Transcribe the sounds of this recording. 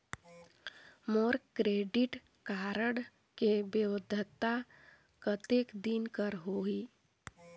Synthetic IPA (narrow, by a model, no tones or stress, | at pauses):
moːɾkɾeːɖɪʈ | kaːɾəɽ | kebəwəd̪ʱət̪a | kət̪ekd̪inkəɾɦoiː